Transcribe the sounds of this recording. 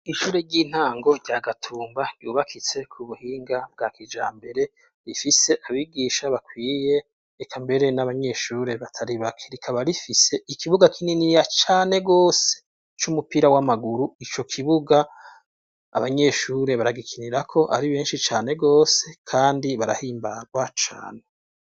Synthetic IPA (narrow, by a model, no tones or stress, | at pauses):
iʃuːɾeɾɟiːn̥haːŋɡo̞ɾɟaɡatʰuːmbaɟ̥ɟuːβakʰit͡se̞kʰuβuhiːŋɡab̚ɡaːkid͡ʒa̰ːmbe̞ɾe̞ | ɾifise̞ʔaβiɡiːʃaβakwiːje̞ | ekʰambe̞ɾe̞naβaɲe̞ʃuːɾe̞βatʰaɾiβakʰeɾikʰaβaɾifise̞ikiβuɡakʰininijat͡ʃaːne̞ɡo̞ːse | t͡ʃumupiːɾawamaɡuɾuit͡ʃo̞kʰiβuɡaː | βaɲe̞ʃuːɾe̞βaɾaɡikʰiniɾakʰo̞ʔa̰ɾiβeːnʃit͡ʃaːne̞ɡo̞ːse̞kʰaːndiβaɾa̰hiːmbaɾɡwat͡ʃa̰ːne